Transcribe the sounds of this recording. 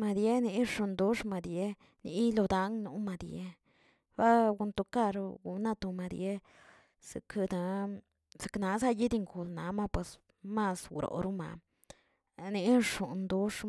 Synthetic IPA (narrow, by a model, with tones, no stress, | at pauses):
ma˧d̪je˦ni˧˦ʂu˧nd̪u˦ʂma˧d̪je˦ | nḭ˧˦lo˧d̪a˧˦ŋnu˧˦ma˧d̪je˧ | ba˦ɡu˧nt̪u˧ka˦˧ɾɡṵ˧na˧t̪u˧ma˧d̪je˦ | si˧kd̪a˧ | se̥˧kna˨˧sa˦˧ji˦d̪i˧ŋɡu˨lna˨˦ma˦pwe˨s | ma˧sɡɾo̰˧˨ɾu˦ma̰˨ | ni˧˦ʂu˨nd̪u˦ʂ